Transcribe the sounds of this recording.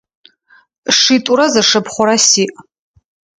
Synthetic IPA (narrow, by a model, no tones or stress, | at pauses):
ʂitʼuɾɐzɐʂɨpχʷʊɾɐsiːʔ